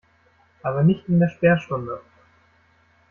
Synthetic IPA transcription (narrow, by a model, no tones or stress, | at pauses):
aːβɐnɪçt̪ɪnd̪eɛɐʃpɛːɐʃʊnd̪ə